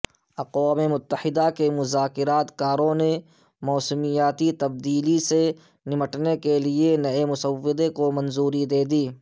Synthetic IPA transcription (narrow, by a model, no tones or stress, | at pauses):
ɐqwaːmemʊt̪ːəhɪd̪akemʊzaːkɪɾaːt̪kaːɾõne | mɔːsəmijaːt̪it̪ɐb̚d̪iːlise | nɪməʈnekelienɐemʊsəwɪd̪ekomɐ̃nzuːɾid̪eːd̪iː